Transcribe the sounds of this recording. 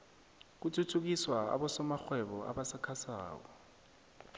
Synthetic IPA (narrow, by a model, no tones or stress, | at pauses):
k̬utʰutʰuk̬iswaa̰ɓɔsɔmaxwɛɓɔa̰ɓasakʰasa̰ːk̬ɔ